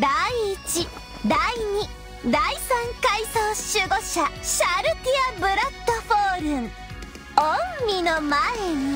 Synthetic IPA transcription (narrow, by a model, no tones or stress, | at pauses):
d̪aiːt͡ɕi | d̪aiɲ̟i | d̪aisãŋkaisoːɕɨɡo̞ɕaɕaɾɯ̟kʲiabɯ̟ɾat̪ːoɸoːɾɯ̟̃ŋ | õmmʲinomaeɲ̟i